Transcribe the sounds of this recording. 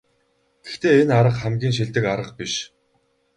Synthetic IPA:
ɡ̥ext̪eːenaɾə̆qχæmɡʲiːŋʃ̬iɮt̪ɘ̆kaɾə̆q̚piʃ

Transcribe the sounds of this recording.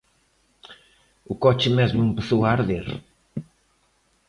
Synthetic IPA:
ʊkɔt͡ʃɪmezmʊempeθowaːɾðeɾ

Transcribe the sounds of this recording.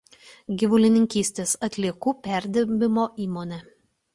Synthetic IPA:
ɡʲiʋʊlʲɪnʲɪŋʲkʲiːsʲt̪ʲeːsɐt̪ʲlʲiɛkuːpʲæˑɾʲd̪ʲɪɾʲbʲɪmoːʔiːmoːnʲɛː

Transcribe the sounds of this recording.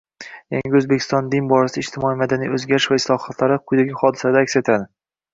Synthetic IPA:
jaŋɡʲaɵzbekʲʰst̪ɒnd̪ɪnbɒɾasɪɪʃt̪ʰɪmɒijmad̪anijɵzɡʲaɾɪʃvaɪslˠɒχat̪ʰlaɾɪqʰʊjd̪aɡʲɪχɒd̪ɪsad̪aːkʲset̪ʰad̪ɪ

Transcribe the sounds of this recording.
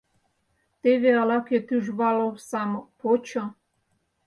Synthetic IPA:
t̪eβealaket̪yʒβalowsamopot͡ɕo

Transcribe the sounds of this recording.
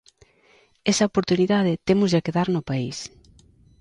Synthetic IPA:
ɛsɐopoɾt̪uniðaðɪt̪emʊzðakeðaɾnʊpais

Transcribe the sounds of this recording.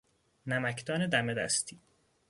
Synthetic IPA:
næmækʰd̪ɒːned̪æmed̪æ̰st̪ʰiː

